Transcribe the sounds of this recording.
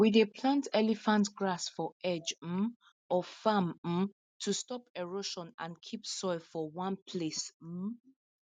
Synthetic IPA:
widepʰlãntʰɛlifãntɡɹasfɔʔɛd͡ʒm̩ | ɔfamm̩ | tʰustɔpɛɹoʃɔ̃nã̰nkʰipsɔɪlfɔwãnpʰlesm̩

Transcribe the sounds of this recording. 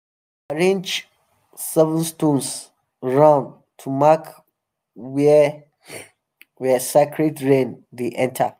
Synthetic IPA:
aɹẽnd͡ʒ | sɛvə̃nstõns | ɹãʊ̃n | tʰumak | wɛ | wɛsakʰɹɛtɹẽndeʔɛ̃ntʰa̰

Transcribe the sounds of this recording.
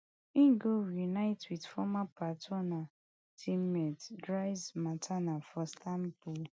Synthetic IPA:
ĩnɡoɹinaɪtwidfɔmapatʰɔna | tʰimɛtdɹazmatʰanafɔstʰãmpul

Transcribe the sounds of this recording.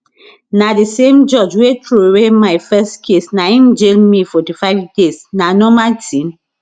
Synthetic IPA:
nadisẽmd͡ʒɔd͡ʒwetʰɹoɹemaɪfɛstkʰesnaĩnd͡ʒelmifɔtifaɪvdesnanɔmatĩn

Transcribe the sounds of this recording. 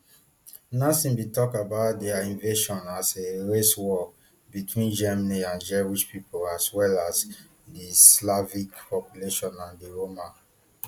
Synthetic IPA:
nasĩnbitɔkabaʊt̚dɛaĩnveʃɔ̃naseɹeswɔ | bitʰwĩnd͡ʒɛmaniãnd͡ʒɛwiʃpipolaswɛlas | dislavikpɔpjuleʃɔ̃nãndiɹoma

